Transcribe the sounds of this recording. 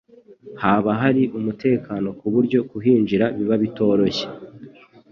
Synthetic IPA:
haːβaɦaɾiʔumute̞ːkano̞kuβuɾɟo̞kuɦiːnd͡ʒiɾaβiβaβito̞ːɾo̞çe̥

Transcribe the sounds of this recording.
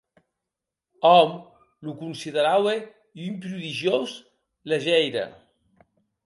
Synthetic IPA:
ɔm | lukunsiðeɾawe | ympɾuðiʒjoz | leʒɛjɾə̰

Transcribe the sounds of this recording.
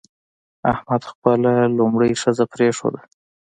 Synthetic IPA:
ahmad̪xpəlalʊmɽəjʂəzapɾeʂo̰d̪a

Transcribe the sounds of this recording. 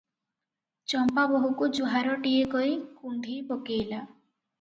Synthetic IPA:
t͡ʃɔmpabɔɦukud͡ʒuɦaɾɔʈiekɔikund̪ʱipokeːla

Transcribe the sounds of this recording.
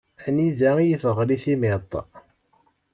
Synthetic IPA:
æniðæjəfəʁliθimet̪ˤː

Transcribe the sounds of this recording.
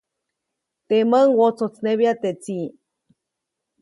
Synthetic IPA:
t̪eməŋwot͡sot͡sneβjat̪et͡si

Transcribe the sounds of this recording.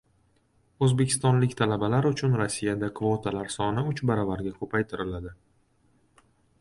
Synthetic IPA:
ɵzbe̞kʲʰɪ̥st̪ɒnlɪkʲt̪ʰalabalaɾʊt͡ʃʰʊnɾosːijad̪akʰvot̪ʰalaɾsɒnɪʊt͡ʃbaɾɒvaɾɡʲakʰɵpʰajt̪ʰɪɾɪlad̪ɪ

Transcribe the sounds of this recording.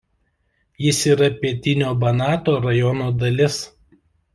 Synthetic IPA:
jɪsiːɾɐpʲiɛt̪ʲɪnʲoːbɐnɑːt̪oːɾɐjɔnoːd̪ɐlʲɪs

